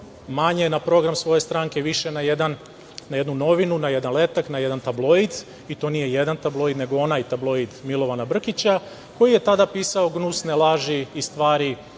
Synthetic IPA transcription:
maɲenapɾo̞ɡɾamsʋo̞jest̪ɾaːŋke̞ʋiʃe̞naje̞d̪an | naje̞d̪nuno̞ʋinunaje̞d̪anle̞t̪aknaje̞d̪ant̪ablˠo̞id̪ | it̪o̞nije̞je̞d̪ant̪ablˠo̞jid̪ne̞ɡo̞o̞najt̪ablˠo̞id̪milˠo̞ʋanabr̩kit͡ɕa | ko̞jije̞t̪ad̪apiːsao̞ɡnusnelˠaʒiːst̪ʋaːɾi

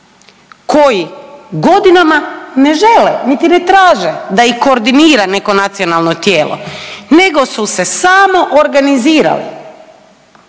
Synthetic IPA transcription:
ko̞jiɡo̞d̪inamane̞ʒe̞lenit̪ine̞t̪ɾaːʒed̪aiko̞ːɾd̪iniːɾane̞ko̞nat̪sionalˠnot̪jeːlo̰ne̞ɡo̞suse̞saːmo̞ʔoɾɡaniziːɾa̰lḭ

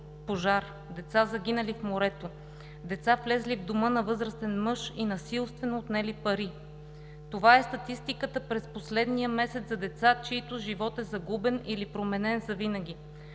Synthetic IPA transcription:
poʒaɾ | d̪ɛt̪sazɐɡ̟ʲinɐlifmoɾɛt̪o | d̪ɛt̪saflɛzlivd̪omɤnɐvɤzɾəst̪ɛnmɤʃinɐsilˠst̪vɛnoːt̪nɛlipɐɾi | t̪ovaɛst̪ɐt̪ist̪ikət̪əpɾɛsposlɛd̪nijəmɛsɛt̪zɐd̪ɛt̪sat͡ʃiːt̪ʊʒivɔt̪ɛzɐɡubɛnilipɾomɛnɛnzɐvinəɡʲi

